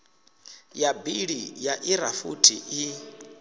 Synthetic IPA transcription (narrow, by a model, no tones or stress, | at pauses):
jabiɺijaʔiɾafṵtʰiʔi